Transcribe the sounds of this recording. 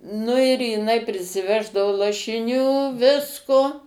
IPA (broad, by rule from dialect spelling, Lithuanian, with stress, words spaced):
nʊ ɪr jɪˈnɐɪ pʲrʲɪsʲɪˈʋʲæːʒdɐʋoː lˠɐʃʲɪˈnʲuː ˈʋʲɪskoː